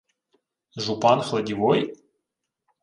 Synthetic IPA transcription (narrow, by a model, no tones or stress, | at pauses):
ʒupanχlˠɐdʲivoj